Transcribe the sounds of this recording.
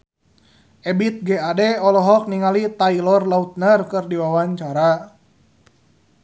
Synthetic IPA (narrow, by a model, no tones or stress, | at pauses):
ɛbit̪̚ɡɛadɛɔlɔɦɔk̚niŋalit̪ailɔrlaut̪̚nərkɨrdiwawaɲt͡ʃaɾa